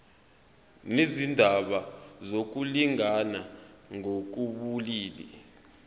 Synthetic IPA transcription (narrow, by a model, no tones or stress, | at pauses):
nezindʱaɓazok̬uliŋanaŋok̬uɓuliːlḭ